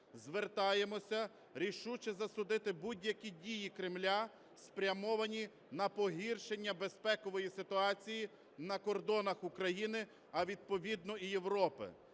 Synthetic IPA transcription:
zʋert̪ɑjemɔsʲɐ | ɾʲiʃut͡ʃɛzɐsʊd̪ɪt̪ɪbudʲjɐkʲidʲijikɾɪmlʲa | spɾʲɐmɔʋɐnʲi | nɐpɔɦirʃe̞nʲːɐbe̞spɛkɔʋɔjisɪt̪ʊɑt͡sʲiji | nɐkɔrd̪ɔnɐxʊkɾɐjinɪ | ɐʋʲid̪̚pɔʋʲid̪̚nɔije̞ʋɾɔpɪ̰

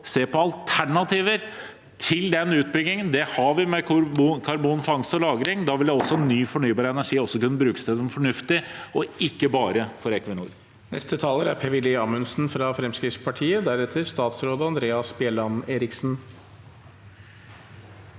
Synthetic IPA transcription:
seːpʰɔɑlt̪ʰæɳɑt̪ʰiːʋəɾ | t̪ʰɪld̪ɛnʉːt̪̚bɾʏɡɪŋənd̪ɛhɑʋɪmɛkʰɑɾbuːnfɑŋsɔlɑːɡɾɪŋd̪ɑːʋɪld̪ɛɔsːɔnːyːfɔɳyːbɑːɾəɛnæʂiːɔsːɔkʉnːəbɾʉːkəsɛd̪ənfɔɳʉft̪ɪɔɪkːəbɑːɾəfɔɾɛkʋənṵːɾ | nɛ̰st̪ət̪ʰɑːləɾæɾpʰeːʋɪlɪɑmʉnsn̩fɾɑfɾɛmskɾɪft̪spʰɑʈʰiːəd̪æɾɛt̪ʰəɾst̪ɑːt̪sɾoːd̪əɑnd̪ɾeːɑsbɪɛlɑneːɾɪksn̩

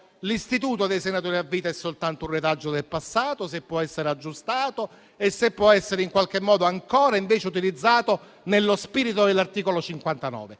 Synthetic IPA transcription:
list̪it̪uːt̪od̪ejsenat̪oːɾiavːiːt̪aɛsːolt̪ant̪ourːet̪ad͡ʒːod̪elpasːaːt̪osepːwɔɛsːeɾead͡ʒːust̪aːt̪o | esːepːwɔɛsːeɾeiŋkwalk̟emːɔːd̪oaŋkɔːɾaiɱveːt͡ʃeut̪̬ilid̪zːaːt̪o | nelːospiːɾit̪od̪elːart̪iːkolot͡ʃiŋkwant̪anɔ̰ːve

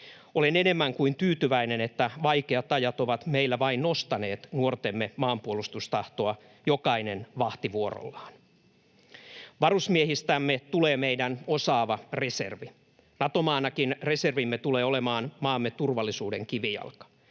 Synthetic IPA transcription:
olenene̞mːæŋkuint̪yːt̪yʋæine̞net̪ːæʋɑikeɑt̪ɑjɑt̪o̞ʋɑt̪meilːæʋɑinnost̪ɑne̞ːt̪nuort̪emːemɑːmpuolust̪ust̪ɑht̪o̞ɑ | jokɑinenʋɑht̪iʋuoɾo̰lːɑːn | ʋɑrusmieɦist̪æmːet̪uleːmeidæno̞sɑːʋɑre̞sḛrʋi | nɑt̪omɑːnɑkinre̞serʋimːet̪uleːo̞lemɑːnmɑːmːet̪urʋɑlːisuːde̞ŋkiʋijɑ̰lkɑ̥

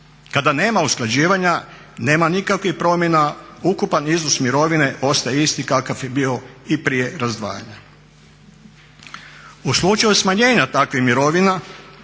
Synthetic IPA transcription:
kad̪ane̞ːmausklˠad͡ʑiːʋaɲa | ne̞ːmanikakʋixpɾo̞mje̞naukupaniznosmiɾo̞ʋine̞ʔo̞st̪ajeist̪ikakafjebio̞ipɾije̞ɾazd̪ʋa̰ːja̰ɲa | uslˠut͡ʃajusmaɲe̞ːɲat̪akʋixmiɾo̞ʋina

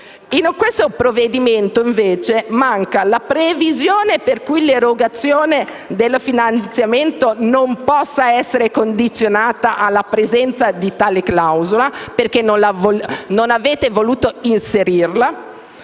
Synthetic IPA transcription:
inkwest̪opɾovːed̪iment̪oiɱveːt͡ʃemaŋkalapɾevizjoːneperkujleɾoɡat̪sːjoːne | d̪elːfinant̪sjament̪onompɔsːaɛsːeɾekond̪it̪sːjonaːt̪aʔalːapɾezɛnt̪sad̪it̪aːleklawzolaperk̟enːonlavononaveːt̪evoluːt̪oinseɾirla

